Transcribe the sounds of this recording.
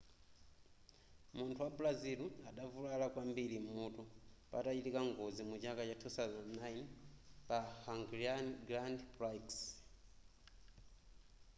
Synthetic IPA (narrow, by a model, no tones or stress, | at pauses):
muntʰuwaplaziluaɗavulalakwambilim̩mutɔpatat͡ʃitikaŋɡɔzimut͡ʃakat͡ʃatʰusazɛnnajnpahaŋɡɾiaɡɾandprajks